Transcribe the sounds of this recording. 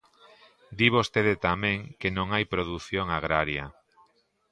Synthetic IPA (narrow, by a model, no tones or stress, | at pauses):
d̪iβost̪eðet̪amẽŋkenõŋajpɾoðuθjoŋaɣɾaɾjɐ